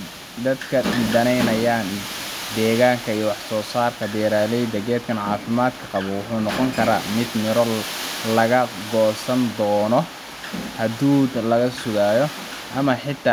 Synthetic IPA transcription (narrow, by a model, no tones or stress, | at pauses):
d̪ɐd̪kʰɐd̪ɐnɛjnɐjaːnd̪ɛːɣaːŋkʰɐijɔwɑħsɔːsaːrkʰɐd̪ɛːɾaːlɛjd̪ɐɣɛːd̪̚kʰɐnʕɑːfɪmaːd̪kʰɐqɑβɔwʊħuːnɔqɔŋkʰɐɾa̰ːmɪd̪mɪɾɔlɐɣɐɡɔːsɐnd̪ɔːnɔ | hɐd̪uːd̪lɐɣɐsʊɣaːjɔ | ʔɐmɐħɪt̪ʰːaː